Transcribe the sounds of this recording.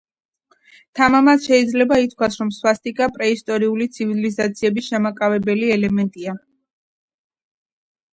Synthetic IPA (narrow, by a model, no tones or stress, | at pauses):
t̪ʰamamat̪ʃɛid̪zlɛbait̪̚kʰwasɾɔmswast̪ʼikʼapʼɾɛist̪ʼɔɾiulit̪sʰivilizat̪sʰiɛbisʃamakʼavɛbɛliɛlɛmɛnt̪ʼia